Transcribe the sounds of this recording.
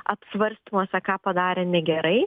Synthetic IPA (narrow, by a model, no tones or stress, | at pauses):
ɐpʲsʲʋɐɾʲsʲt̪imoɔsʲɛkɑːpɐd̪ɑːɾʲɛːnʲɛɡʲɛɾɐɪ